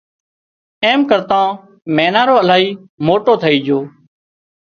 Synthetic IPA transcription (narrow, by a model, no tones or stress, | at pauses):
eːmkəɾt̪ãː | meːnaːɾoːəlaːiːmoːʈoːt̪ʰəiːd͡ʒʱoː